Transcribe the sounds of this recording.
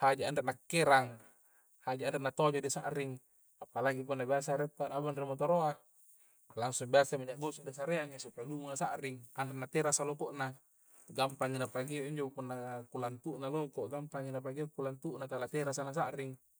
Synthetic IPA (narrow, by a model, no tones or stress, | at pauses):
had͡ʒaandeʔ̚nakːeɾaŋ | had͡ʒaandreʔnat̪od͡ʒodisa̰ʔɾiŋ | apːalaɡip̬unːabias̬aɾet̪ːanabanremat̪oɾoak̚ | laŋsuŋbiasamiɲaɡosudis̬aɾeaŋisupalumunasa̰ʔɾiŋanreʔ̚nat̪eɾasalokoʔna | ɡampaŋinapaɡioʔiɲd͡ʒopunːakulant̪uʔnalokoʔɡampaŋinap̬aɡiokulant̪uʔnat̪alat̪eɾas̬anas̬aʔɾiŋ